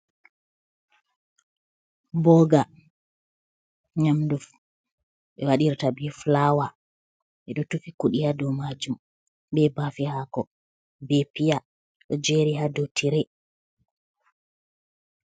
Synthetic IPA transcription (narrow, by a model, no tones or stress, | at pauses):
bɔɡa | ɲamduf | ʔɛwaɗiɾtabɛflawa | ʔɛɗɔtufikuɗihadɔmad͡ʒum | bɛbafihakɔ | bɛpija | ɗɔd͡ʒɛɾiɦadotʰiɾɛ